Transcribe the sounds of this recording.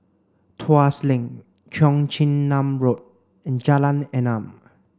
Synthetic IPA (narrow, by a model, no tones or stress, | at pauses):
tʰuaslĩŋ | t͡ʃʰɔ̃ŋt͡ʃʰĩnːãmɹot̚ | ɛ̃nd͡ʒalãnɛ̃nãm